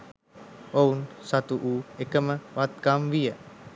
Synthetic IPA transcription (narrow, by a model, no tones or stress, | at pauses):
ounsat̪uʔuːekəməʋat̪̚kamʋijə